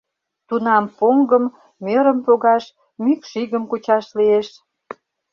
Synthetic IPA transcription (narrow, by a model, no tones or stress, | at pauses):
t̪unɑmpoŋɡəmː | øɾəmpoɣɑʃ | mykʃiɣəmkut͡ɕɑʃlieʃ